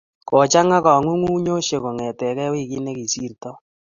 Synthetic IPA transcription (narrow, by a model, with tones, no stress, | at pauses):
kɔ˨t͡ʃa˦ŋa˦kɔ˨ŋwu˦ŋʷu˦ɲo˦ʃe˨ko˨ŋɛ˨tɛ˨kɛ˦wiː˦˨ki˦ne˦ki˨si˦rtɔ˦